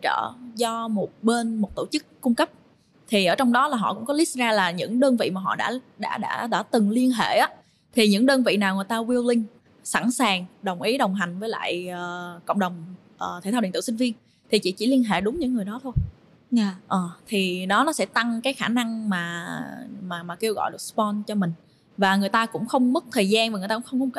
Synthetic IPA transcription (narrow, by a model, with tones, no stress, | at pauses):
t͡ɕə̰ː˧˨˩zɔ˧mo˨˩t̚ɓe˧nmo˨˩t̚t̪o˧˩t͡ɕɨ˦˥kːʊ˧ŋ͡mkə˦˥p̚ | t̪ʰi˨˩ʔəː˧˩t͡ɕɔ˧wŋ͡mɗɔ˨˦laː˨˩ɦɔ̰˧˨kʊ̰˧˥ŋ͡mkɔ˨˦li˦˥t̚zaː˧laː˨˩ɲɨ̰˧˥ŋɗəː˧nvḭ˧˨maː˨˩ɦɔ̰˧˨ɗa̰ː˧˥ɗa̰ː˧˥ɗa̰ː˧˥ɗa̰ː˧˥˩t̪ɨ˨˩ŋli˧ənɦḛ˧˩˨ʔaː˨˦ | t̪ʰi˨˩ɲɨ̰˧˥ŋɗəː˧nvḭ˧˨naː˨˩wŋɨ˨˩əjt̪aː˧wi˧wlï˧ŋ̟ | sa̰˧˥˩nsaː˨˩ŋɗə˨˩wŋ͡mʔi˨˦ɗə˨˩wŋ͡mɦa˨˩jŋ̟vəː˨˦jla̰ː˧˨jəː˨˩kə̰˧˨wŋ͡mɗə˨˩wŋ͡m | ʔəː˨˩t̪ʰe˨˩t̪a˧i˧˨˩t̪ɨ˧˩si˧ŋ̟vi˧ən | t̪ʰi˨˩t͡ɕḭ˧˩t͡ɕḭ˧˩li˧ənɦḛ˧˨ɗʊ˨˦ŋ͡mɲɨ̰˧˥ŋː˨˩əjɗɔ˨˦t̪ʰo˧j | ʔəː˨˩t̪ʰi˨˩ɗɔ˨˦nɔ˨˦sɛ̰˧˥t̪a˧ŋkaː˨˦jxaː˧˩na˧ŋmaː˨˩ | maː˨˩maː˨˩ke˧wɣɔ̰˧˨jɗəspɔ˧nt͡ɕɔ˧mï˨˩ŋ̟ | vaː˨˩ŋɨ˨˩əjt̪aː˧kʊ̰˧˥ŋ͡mxə˧wŋ͡mmɨ˦˥k̚t̪ʰəː˨˩jzaː˧nva˨˩ŋ˨˩t̪a̰ː˧˥xə˧wŋ͡mkːwŋ͡m